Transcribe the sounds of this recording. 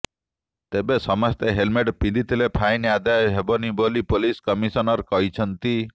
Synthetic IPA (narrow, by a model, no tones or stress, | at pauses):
t̪ebesɔmɔst̪eɦelmeʈpind̪ʱit̪ʰilepʰajnead̪ajɔɦebɔnibolipoliskɔmisɔnɔɾkɔɦit͡ʃʰɔnt̪i